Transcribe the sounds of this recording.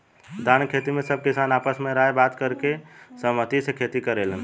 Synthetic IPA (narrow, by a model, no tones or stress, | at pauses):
d̪ankʰet̪imesəb̚ʱkisanapəsmeɾəɦebat̪kəɾkesəmət̪isekʰet̪ikəɾelən